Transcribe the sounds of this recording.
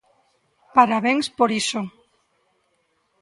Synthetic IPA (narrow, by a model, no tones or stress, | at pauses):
paɾaβeŋspoɾiso